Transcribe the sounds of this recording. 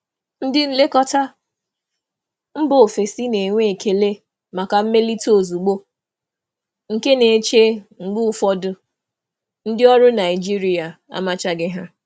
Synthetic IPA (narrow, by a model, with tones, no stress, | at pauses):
n̩˦dɪ˦n̩˦le˦kɔ˦ta˦ | m̩˦bo˨fe˨si˦ne˨ŋʷe˦e˨kʰe˨le˦ | ma˨ka˨m̩˦me˦li˦to˨zu˨ɡ͡bo˦ | ŋ̩˨ke˦ne˨˦t͡ʃe˦ŋ̩˨ɡ͡bʊ˦ʊ˦fɔ˦dʊ˦ | n̩˦dɪ˦ɔ˦ɾʊ˦na˨ɪ˨d͡ʒi˦ɾi˦a˨ | a̰˦ma˦t͡ʃa˦ɡɪ˦ɦa˦